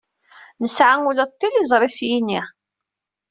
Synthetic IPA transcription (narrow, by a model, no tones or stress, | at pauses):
nəsʕaŋuləðˤt̪ːilizˤɾˤisjinːi